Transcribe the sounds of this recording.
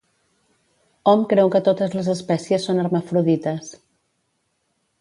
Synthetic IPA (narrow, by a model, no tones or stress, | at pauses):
ɔmkɾɛwkət̪ot̪əzləzəspɛsiəsːonəɾməfɾuðit̪əs